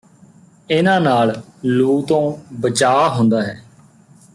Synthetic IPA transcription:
ɪnãːnaːlluːt̪õːbət͡ʃaːɦʊ̃nd̪aːɦɛː

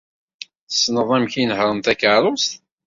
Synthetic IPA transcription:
sːnəðˤæmçinəhɾˤənt̪ækəɾˤost̪

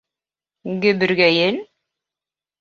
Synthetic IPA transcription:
ɡɘ̆bɘ̆ɾɡæjɘn

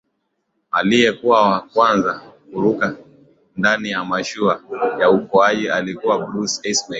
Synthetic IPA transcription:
alijɛkuwawakwanzakuɾuka | ndanijamaʃuajaukɔaʄialikuwablusɛsma

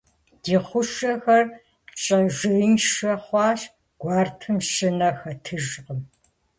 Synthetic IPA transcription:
d̥iːχʷʊʃɐxɐr | t͡ʃʼɐʒɪjnʃɐχʷɑːʃ | ɡ̥ʷɑːrtʰɨmʃɪnɐxɐtʰɨʒqəm

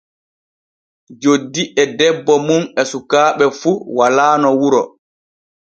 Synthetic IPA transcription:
d͡ʒodːiʔɛdɛbːɔmunɛsukaːɓɛfuwalaːnɔwuɾɔ

